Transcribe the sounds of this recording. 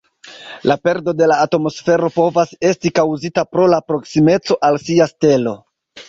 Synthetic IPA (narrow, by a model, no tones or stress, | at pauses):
lape̞ɾdo̞de̞laːtmo̞sfe̞ɾo̞po̞vase̞stikawzitapɾo̞lapɾo̞ksime̞t͡so̞ʔalsiaste̞lo̞